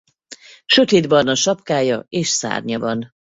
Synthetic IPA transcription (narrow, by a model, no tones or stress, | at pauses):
ʃø̞t̪eːd̪bɒnɒʃɒpkaːjɒeːʃsa̰ːrɲɒvɒn